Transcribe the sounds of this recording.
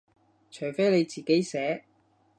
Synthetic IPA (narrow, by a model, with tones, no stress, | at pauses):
t͡ʃʰœː˨˩jfe˥jle˨˧jt͡siː˨ke˨˥jsɛː˨˥